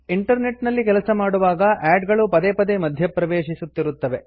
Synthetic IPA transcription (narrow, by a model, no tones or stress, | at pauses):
iɳʈɐɾneʈnɐlːik̬ɛlɐsɐmaːɽuʋaːɡɐʔɛːɖɡɐɭupɐd̪epɐd̪emɐd̪ʱjɐpɾɐʋeːʃisut̪ːiɾut̪ːɐʋe̞